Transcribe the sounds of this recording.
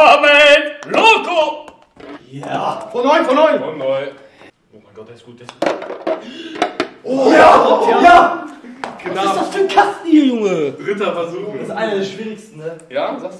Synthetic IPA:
amɛloːɡo | jafɔnɔʏnfɔnɔʏnfɔnːɔɪ | ʔoːmaɪnɡɔtd̥ɛsɡ̥uːt̚d̥ɛs | ʔojaajaː | ɡ̥ənad̥ɔstəkʰastn̩hiːɐjʊŋəd̥ʁɪtɐfɛɐzuːɪsʔaɪnɐdɛːɐʃv̥iːʁɪçstn̩nəjaːzas

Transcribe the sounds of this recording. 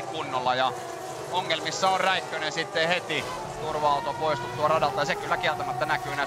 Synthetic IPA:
kkunːolːɑjɑ | oŋːelmisːæorræikːønensit̪ːehet̪i | t̪urʋɑɑˑut̪opoist̪ut̪ːuɑrɑdɑlt̪ɑjɑsekylːækielt̪æmæt̪ːænækyːnæ

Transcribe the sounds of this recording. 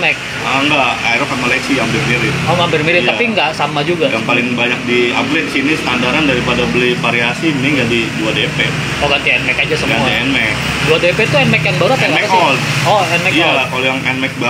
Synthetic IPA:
mɛk̚ | aŋɡaajɾɔkat̪̚malaksiambɪrmeɾɪt̪ɔŋɡambɪrmiɾɪj̪t̪apiŋɡaʔsamad͡ʒuɡaɡaŋpalɪŋbaɲak̚diablɛt̪̚sinist̪andaɾandaɾipadabəlipaɾiasiniŋɡadiduadepe | oɡat̪iɛnmɛkad͡ʒasəɡmauaiɛnmɛk | duadepet̪uɛnmɛkjaŋbaɾuapajaŋaɛaɔlɔɛnmɛkalakɔljaŋɛnmɛk̚ba

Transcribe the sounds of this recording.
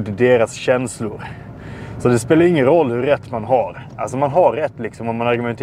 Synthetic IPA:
d̪d̪eːɾasɕɛnslʊɾ | sɔd̪ɛspeːlaɾɪŋːənɾɔlːhɵɾːɛt̪ːmanɦaɾʔalsɔmanɦaɾːɛt̪ːlɪksɔmvɔmanaɾɡɵmɛnt̪ʰ

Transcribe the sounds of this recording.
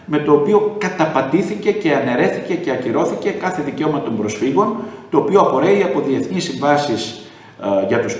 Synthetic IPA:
me̞t̪o̞ːpio̞kɐt̪ɐpɐd̪iθice̞ce̞ɐne̞ɾe̞θice̞ce̞ɐciɾo̞θice̞kɐθe̞ðice̞o̞mɐt̪o̞mbɾo̞sfiɣo̞nt̪o̞ːpio̞ɐpo̞ɾe̞iɐpo̞ðie̞θnisːiɱvɐsis | ʝɐt̪us

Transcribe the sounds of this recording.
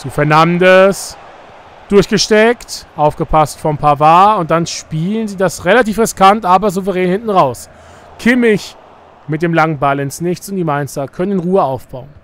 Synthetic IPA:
t͡suːfɛɐnamdəs | d̥ʊɐçɡ̥əʃtɛktʔaʊfɡ̥əpʰastfɔɐmpʰavaːʊnt̚d̥anʃpiːlənziːdasʁelatiːfʁɪskʰantʔaːbɐzuvəʁɛːnhɪntn̩ʁaʊs | kʰɪmɪç | mɪt̚d̥eːmlaŋənbalɪnsnɪçt͡sʊntd̥iːmaɪnstɐkʰœnənnʁuːəaʊfb̥aʊən

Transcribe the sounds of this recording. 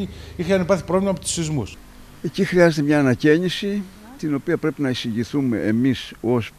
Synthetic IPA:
iixeɐnipɐɾθi̥pɾovlimɐpot̪u̥sθizmus | ecixɾiɐzet̪emɲaːnɐcenisi | t̪ino̞piɐpɾe̞pinɐisiʝiθumḛːmisos

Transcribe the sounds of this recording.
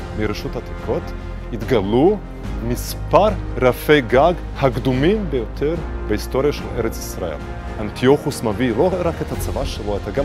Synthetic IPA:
miɾeʃuthat̪ikʰot̪ | it̪ɡalu | mis | paɾɾafejɡaɡ | hakd̪umimbejot̪ʰeɾbehist̪oɾijaʃeleɾet͡sisɾaḛl | ant̪ʰijoχusmaviloɾaket̪hat͡savaʃeloat̪aɡa

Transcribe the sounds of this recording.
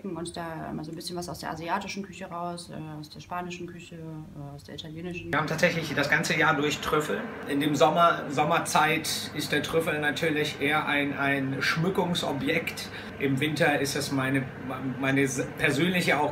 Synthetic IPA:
kŋ̩ʊntd̥a̰ːmaːzoːnbɪsçənvasaʊsd̥eːɐʔa̰ziaːtɪʃn̩kʰʏçəʁaʊsʔɛːaʊsd̥eːɐʃpaːnɪʃn̩kʰʏçəaʊsd̥eːɐitʰaljeːnɪʃn̩ɐhaːbmtʰaːtz̥ɛçlɪçd̥asɡ̥ant͡səjaːɐdʊɐçtʁ̥ʏfl̩ʔɪndeːmzɔmɐzɔmɐt͡saɪtɪstd̥eːɐtʁ̥ʏfl̩natʰyːɐlɪçʔeːɐʔaɪnʔaɪnʃmʏkʊŋsɔbjɛkt | ʔɪmvɪntɐɪstɛsmaɪnə | mamaɪnəzpʰɛɐzøːnlɪçəaʊx

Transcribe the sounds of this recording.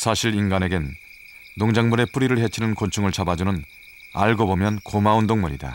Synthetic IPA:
sʰaɕʰiɾinɡane̞ɡenː | oŋd͡ʑaŋmuɾe̞p͈uɾiɾɯɭɦet͡ɕʰinɯnkont͡ɕʰuŋɯɭt͡ɕʰabad͡ʑunɯn | a̰ɭɡobomjʌnkomaundoŋmuɾida̰

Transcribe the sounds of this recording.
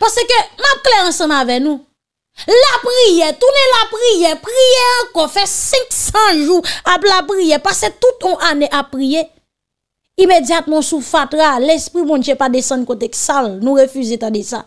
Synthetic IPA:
pasekømap̚klɛɐ̃sʌ̃mavɛnũ | lapɣijɛt̪unelapɣijɛpɣijɛãkɔfɛsɛ̃ksɑ̃ʒuaplapɣijɛpaset̪ut̪ɔ̃ʔaneʔapːɣije | imed͡zjat̪̚mɔ̃sufat̪ɣalespʁibɔ̃d͡ʒjepadesɐ̃nkot̪eksalnũɣefyzet̪adesa̰

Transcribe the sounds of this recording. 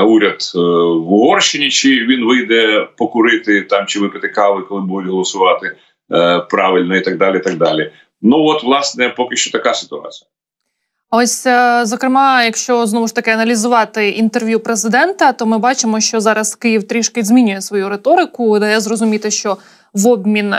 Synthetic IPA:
uɾʲɐd̪ʋʊɦɔrʃɪnʲit͡ʃɪʋʲinʋɪjd̪ɛpɔkʊɾɪt̪ɪt̪ɑmt͡ʃɪʋɪpɪt̪ɪkɑlˠɪkɔlˠɪbud̪ʊtʲɦɔlˠɔsʊʋɑt̪ɪ | pɾɑʋɪlʲnɔit̪ɐɡ̚d̪ɑlʲɪit̪ɐɡ̚d̪ɑlʲi | nuɔt̪ʋlˠɑsnɛpɔkɪʃt͡ʃɔt̪ɐkɑsɪ̥t̪ʊɑ̰t͡sʲijɐ | ɐɔsʲzɔkɾɪmɑjɐkʃt͡ʃɔznɔʋʊʃt̪ɐkɪɐnɐlʲizʊʋɑt̪ɪint̪erʋʲjupɾezɪd̪ɛnt̪ɐt̪ɔmɪbɑt͡ʃɪmɔʃt͡ʃɔzɑɾɐskɪjiwt̪ɾʲiʃkɪzʲmʲinʲʊjɛsʋɔjuɾet̪ɔɾɪkʊd̪ɐjɛzrɔzʊmʲit̪ɪʃt͡ʃɔ | ʋɔbmʲin

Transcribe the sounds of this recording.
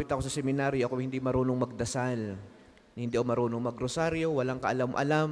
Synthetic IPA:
pɪt̪ɐkosɐsɛmɪnaɾjoʔkʊŋhɪnd̪imɐɾuːnoŋmɐɡ̚d̪ɐsal | hɪ̃nd̪iːʔowmɐɾuːnoŋmɐɡɾosaɾjo̞wɐlaŋkɐʔɐlamʔɐ̰lam

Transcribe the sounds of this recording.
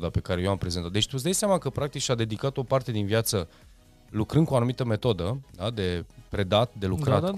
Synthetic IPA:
d̪ape̞kaɾejewampɾe̞ze̞nt̪at̪d̪et̪usd̪ajseamakəpɾak̚t̪ikʃad̪e̞d̪ikat̪o̞part̪e̞d̪inviat̪sə | lukɾɨnd̪kuanumit̪əme̞t̪o̞d̪əd̪ad̪e̞pɾe̞d̪at̪d̪e̞lukɾa

